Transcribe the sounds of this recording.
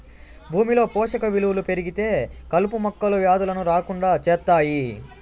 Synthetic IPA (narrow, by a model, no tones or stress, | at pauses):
bʱuːmilo̞ːpɔːʂɐkɐʋiluwulupe̞ɾiɡit̪e̞ːkɐlupumɐkːɐluʋjaːd̪ulɐnuɾaːkuɳɖaːt͡ʃɛːt̪ːaːji